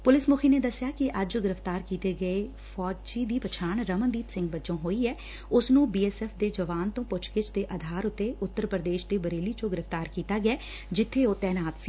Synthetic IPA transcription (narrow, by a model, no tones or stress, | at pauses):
pʊlɪsmʊkʰiːneːd̪əsːjaːkɪʔəd͡ʒɡɪɾəft̪aːɾkiːt̪eːɡəeː | fʰɔːt͡ʃiːd̪iːpət͡ʃʰaːɳɾəmənd̪iːpsɪ̃ŋɡ̚bət͡ʃõːɦoːiːɛː | ʊsnũːbiːɛːsɛːpʰd̪eːd͡ʒəʋaːnt̪õːpʊt͡ʃkɪt͡ʃd̪eːʔəd̪ʱaːɾʊt̪ːeːʊt̪ːəɾpɾəd̪eːʃd̪eːbəɾeːliːt͡ʃõːɡɪɾəft̪aːɾkiːt̪aːɡɪjɛː | d͡ʒɪt̪ʰːeːoːt̪ɛːnaːt̪siː